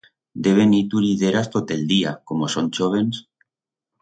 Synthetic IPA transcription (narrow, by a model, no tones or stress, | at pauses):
d̪e̞β̞e̞nit̪uɾiðeɾast̪ot̪eld̪iakomosonʲt͡ʃoβ̞e̞ns